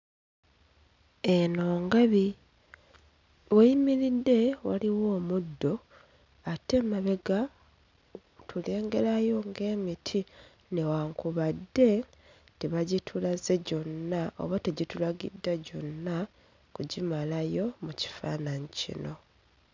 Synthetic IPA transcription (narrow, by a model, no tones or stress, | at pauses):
eno̞ːŋɡaβi | weimiɾidːe̞waliwo̞ːmudːo̞ | ate̞maβe̞ɡa | tʰule̞ːŋɡe̞ɾajo̞ŋɡe̞ːmitʰi | ne̞waŋkuβadːe̞ | tiβaɟitʰulaze̞ɟo̞nːaʔo̰βateɟitulaɡḭdːaɟo̞nːa | kuɟimalajo̞muci̥fa̰ːnaɲicḭno̞